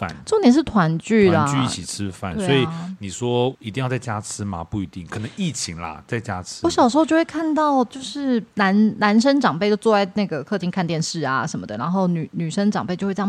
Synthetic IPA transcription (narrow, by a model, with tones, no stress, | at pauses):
fa̰˩nʈ͡ʂo˥˩ŋt̪jɛ˧˥nʂ̬ɻ̩˥˩t̪ʰwa˧˥nt͡ɕy˥˩lə˩t͡ɕy˥˧i˥˩t͡ɕʰi˨˩t͡sʰɻ̩˦fa̰˥˩nsɔ˧˥i˨˩ni˨˩ʂwɔ˥i˧t̪i˥˧jʊt͡sa˥˩ɪt͡ɕja˥t͡sʰɻ̩˥ma̰˨pu˥˩i˧˥t̪i˥˩ŋkʰɤ˨˩nə˧˦ŋi˥˩t͡ɕʰi˧˥ŋlɐ̰˧t͡sa˥˩ɪt͡ɕja˦˥t͡s̩ʰ˥wɔ˦˥ɕjɑ˨˩ʂɻ̩˧˥o˥˧ʊt͡ɕo˥˧ʊwe˥˩˧kʰa˥˧nt̪ɑ˥˩ʊt͡ɕjo˥˧ʊʂɻ̩˥˩na˧˥nna˧˥nʂ̬ə˥nʈ͡ʂɑ˨˩ŋpe˥˧ɪd̪o˥˩t͡swɔ˥˧wa˥˩ɪna˥˩ɡə˩kʰɤ˥˩t͡ɕ̪ʰi˧˥ŋkʰnt̪jɛ˥˧nʂɻ̩˥˩a˩ʂə˧nmə˧˩d̪ə˨˩na˧˥nxo˥˩ʊny˨˩ny˨˩ʂə˥nʈ͡ʂɑ˨˩ŋpe˥˧ɪt͡ɕo˥˧w